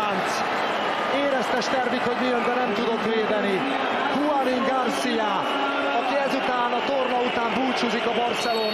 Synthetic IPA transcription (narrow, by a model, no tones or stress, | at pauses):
nt̪s | eːɾɛst̪ɛʃt̪ɛrvikho̞ɟmijømbɛnɛmt̪ud̪o̞kʋeːd̪ɛni | hualiŋɡɒrsija | ɒkiɛzut̪aːnɒt̪ormɒut̪aːmbuːt͡ʃuzikɒbɒrsɛloː